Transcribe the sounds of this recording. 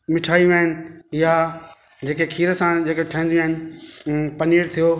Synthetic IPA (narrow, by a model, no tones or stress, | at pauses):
mɪʈʰaːiʋeɦɪnɪ̆ja | d͡ʑeːkekʰiːɾəsãd͡ʑeːkeʈʰə̃nd̪iʋə̃ɦɪnɪ̆ | pɐniːɾt̪ʰijo